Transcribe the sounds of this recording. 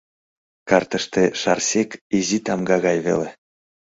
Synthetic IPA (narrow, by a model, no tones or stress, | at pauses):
kɑrt̪əʃt̪eʃɑrsekizit̪ɑmɡɑɣɑjβḛle